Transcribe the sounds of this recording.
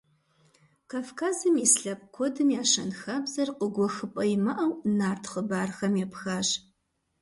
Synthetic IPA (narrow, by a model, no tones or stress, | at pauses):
kʰaːfkʰaːzɨmisɬɐp̚kʷʰodɨmjaːʂɐnxabzɐrqʷʼəɡʷɔxɨpʼɐjmɐʔɐwnaːrtʰχəbaːrxɐmjɛpxaːʒ